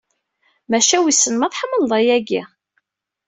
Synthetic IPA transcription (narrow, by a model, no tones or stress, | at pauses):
mæʃæwisːənmæθˤħəmːəlðˤɑjæɡi